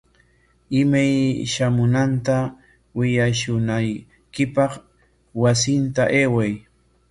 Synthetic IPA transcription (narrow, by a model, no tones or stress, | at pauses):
ɪmajʃamʊnant̪a | wɪʎaʃʊnaj | kɪpɑχ | wasɪnt̪aʔeːwaj